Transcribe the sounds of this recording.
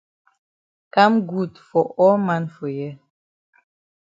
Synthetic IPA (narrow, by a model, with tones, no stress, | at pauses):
ka˦mɡu˦˨tfɔ˨ʔɔ˦ma˦nfɔ˨jɛ˦